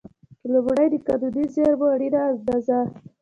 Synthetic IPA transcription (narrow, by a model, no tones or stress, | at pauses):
lobɽajd̪əkad̪ud̪izeɾboɖeɾaːzd̪aza